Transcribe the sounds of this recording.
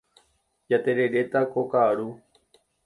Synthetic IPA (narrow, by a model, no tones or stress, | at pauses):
d͡ʒat̪e̞ɾe̞ɾe̞t̪akokaɾu